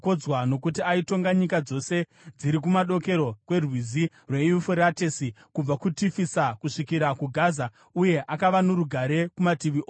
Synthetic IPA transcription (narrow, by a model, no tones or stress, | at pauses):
kod͡zwano̞kutiaito̞ŋɡaɲikad͡zo̞se̞ | d͡ziɾik̬umaɗo̞ke̞ɾo̞kwe̞rwizi | rweufuɾatesi | kub͡vakutifisakuʂikiɾakuɡʱaːza | uje̞ʔakaʋanoɾuɡʱaɾe̞kumatiʋio